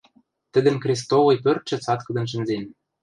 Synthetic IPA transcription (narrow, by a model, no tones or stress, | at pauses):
t̪ə̆d̪ə̆mkrʲis̬t̪olɤ̆jpørt̪̚ʃɘ̆t͡sɑt̪kɤ̆d̪ɤ̆nʃ̬ɘ̆nzen